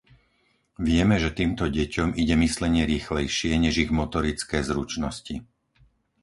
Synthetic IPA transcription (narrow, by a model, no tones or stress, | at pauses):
ʋɪɛmɛʒɛt̪iːmt̪ɔɟɛcɔmiɟɛmislɛɲɪɛɾiːxlɛjʃɪɛɲɛʒiɣmɔt̪ɔɾit͡skɛːzɾut͡ʃnɔsci